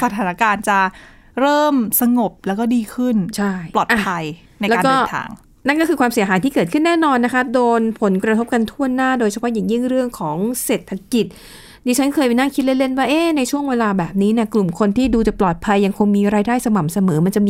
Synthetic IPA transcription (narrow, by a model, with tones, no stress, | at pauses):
sa˧t̪ʰaː˩˦na˧˩kaː˧nt͡ɕa˨˩ | ɾɤː˥˩msa˧ŋo˨˩p̚lɛː˦˥wkɔː˥˩diː˧kʰɯ˥˩nt͡ɕʰa˥˩jlɔː˨˩t̪ʔa˧˩a˧j | na˧jlɛː˦˥˧dkɔː˥˩˧nt̪ʰa̰ː˧ŋ | na˥˩nkɔː˥˩kʰɯː˧kʰwaː˧msi˨˩˦ɐɦaː˩˦jt̪ʰiː˥˩kɤː˨˩t̪̚kʰɯ˥˩nːɛː˥˩nɔː˧nːa˦˥kʰa˦˥doː˧npʰo˩˦nkɾa˧t̪ʰo˦˥p̚ka˧nt̪ʰu˥˩ənːaː˥˩doː˧jt͡ɕʰa˧pʰɔ˦˥jaː˨˩ŋji˥˩ŋɾɯ˥˩əŋkʰɔː˩˦ŋse˨˩t̪ʰːa˧˥ki˨˩t̪̚ | diː˧t͡ɕʰa˦˥nkʰɤː˧jpa˧jna˥˩ŋkʰi˦˥t̪̚le˦˥le˥˩nwaː˥˩ʔeː˧˥˩na˧jt͡ɕʰu˥˩əŋweː˧laː˧bɛː˨˩p̚niː˦˥ni˥˩klu˨˩mkʰo˧nt̪ʰiː˥˩duː˧t͡ɕa˨˩plɔː˨˩t̪̚pʰa˧jːa˧ŋkʰo˧ŋmiː˧ɾaː˧jdaː˥˩jsa˧ma˨˩msa˧mɤː˩˦ma˧nt͡ɕa˨˩ʔmiː˧